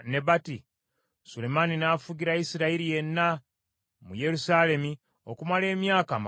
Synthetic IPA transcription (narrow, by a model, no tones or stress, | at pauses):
ne̞bati | sule̞maninaːfuɡiɾajisiɾaiɾije̞nːa | muje̞ɾusaːle̞mi | o̞̰kumale̞ːmjaːkaːma